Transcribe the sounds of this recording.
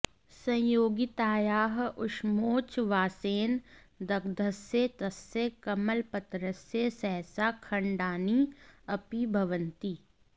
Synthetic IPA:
sɐ̃joːɡit̪aːjaːɦʊʃmoːt͡ʃʋaːseːn | d̪ɐkd̪ʱəset̪ɐsekɐməlpɐt̪ɾəsjesɛɦsakʰɐ̃ɳɖaːniɐpibʱɐʋə̃nt̪i

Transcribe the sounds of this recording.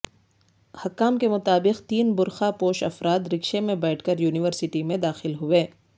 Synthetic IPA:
hɐkːaːmkemʊt̪aːbɪqt̪iːnbʊɾxapoːʃɐfɾaːd̪ɾɪkʃemẽbɛːʈʰkəɾjuːnɪʋəɾsɪʈimẽd̪aːxɪlɦʊʋeː

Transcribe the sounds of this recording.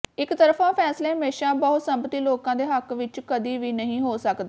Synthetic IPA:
ɪkt̪əɾfãːpʰɛːsleːɦəmeːʃaːbəɦʊt̪səmpət̪iːloːkãːd̪eːɦəkʋɪt͡ʃkəd̪iːʋiːnəɦĩːɦoːsəkd̪aː

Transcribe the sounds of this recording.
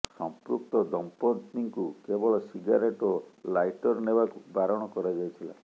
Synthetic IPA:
sɔmpɾuk̚t̪ɔd̪ɔmpɔd̪niŋkukebɔɭɔsiɡaɾeʈɔlajʈɔɾnebakubaɾɔɽ̃ɔkɔɾad͡ʒajt̪ʰila̰

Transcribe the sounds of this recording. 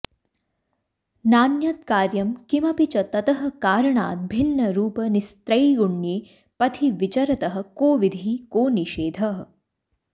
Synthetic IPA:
naːnjɐt̪kaːɾjɐmkimɐpit͡ʃɐt̪ɐt̪ɐɦɐ̆kaːɾɐɳaːt̪̚bʱinːɐɾuːpɐnist̪ɾɐjɡuɳjeː | pɐt̪ʰiʋit͡ʃɐɾɐt̪ɐɦɐ̆koːʋid̪ʱikoːniʃeːd̪ʱɐɦ

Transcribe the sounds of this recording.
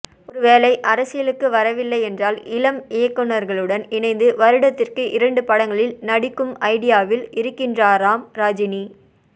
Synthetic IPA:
ɔɾɯʋeːlɐɪʔɐɾɐsɪjɐlɯkːɯʋɐɾɐʋɪlːɐɪɛndraːlɪlɐmɪjɐkːɔnːɐɾɣɐɭɯɽɐnɪɳɐɪnd̪ɯʋɐɾɯɽɐt̪ːɪrkɯʔɪɾɐɳɖɯpɐɽɐŋɡɐɭɪlnɐɽɪkːɯmɐɪɽɪjaːʋɪlɪɾɯkːɪndraːɾaːmɾaːd͡ʒɪni

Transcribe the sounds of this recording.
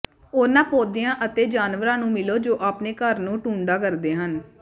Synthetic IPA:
oːnãːpoːd̪ɪjãːʔət̪eːd͡ʒaːnʋəɾãːnũːmɪloːd͡ʒoːʔaːpneːkəɾnũːʈuːɳɖaːkəɾd̪eːɦən

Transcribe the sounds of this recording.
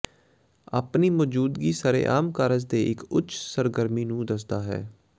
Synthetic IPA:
a̰ːpniːmɔːd͡ʒuːd̪ɡiːsaːɾḛːʔaːmkaːɾəzd̪eːʔɪkʊt͡ʃʰsəɾɡəɾmiːnũːd̪əs̬d̪aːɦɛ̰ː

